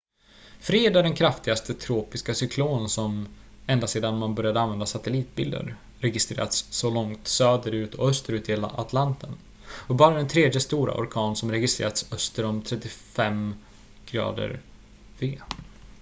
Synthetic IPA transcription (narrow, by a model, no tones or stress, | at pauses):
fɾeːd̪æɖɛnkʰɾaft̪ɪɡast̪ət̪ʰɾoːpɪskasʏkʰloːnsɔm | ɛnd̪aseːd̪anmanbœɾjad̪əanvɛnd̪asat̪ɛliːt̪̚bɪ̰ld̪ə̰ɾ | ɾɛɡɪst̪ɾeːɾa̰t̪sːɔlɔŋt̪søːd̪əɾʉ̟ːt̪ɔœst̪əɾʉːt̪ɪheːla̰ʔat̪ʰlant̪ʰən | ɔbɑːɾad̪ɛnt̪ʰɾeːd̪jəst̪uːɾa̰ʔɔ̰ɾkʰɑːnsɔmɾɛɡɪst̪ɾḛːɾat̪sœst̪əɾɔmt̪ʰɾɛt̪ːɪfɛm | ɡ̥ɾɑ̰ːd̪ə̰ɾ | veː